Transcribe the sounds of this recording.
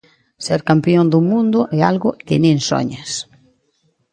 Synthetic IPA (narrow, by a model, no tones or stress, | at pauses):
sɛɾkampjond̪ʊmũnd̪ʊʔɛalɣʊkɪnĩŋso̰ɲas